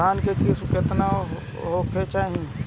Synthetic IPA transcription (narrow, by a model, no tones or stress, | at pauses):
aːnkekiskɪt̪na | ɦokʰet͡ʃaːɦĩ